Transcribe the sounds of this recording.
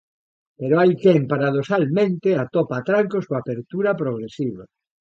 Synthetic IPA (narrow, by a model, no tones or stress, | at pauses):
peɾoajkempaɾað̞osalmẽnt̪eat̪opat̪ɾaŋkosoapeɾt̪uɾapɾoɣ̞ɾesiβa